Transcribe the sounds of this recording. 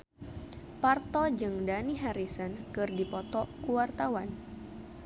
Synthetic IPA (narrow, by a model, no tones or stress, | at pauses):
part̪ɔd͡ʒɨŋdaniɦaɾisənkɨrdipɔt̪ɔkuwart̪awan